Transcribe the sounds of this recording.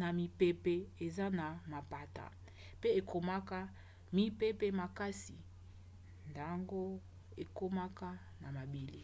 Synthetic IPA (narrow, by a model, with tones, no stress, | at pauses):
na˨mi˨pe˦pe˨e˨za˦na˨ma˨pa˨ta̰˨ | pe˦e˨kʰo˨ma˦ka˦ | mi˦pe˦pe˦ma˨ka˦si˨ | nda˨ŋɡo˦ | e˨ko˦ma˦ka˦ | na˨ma˨bi˨li˦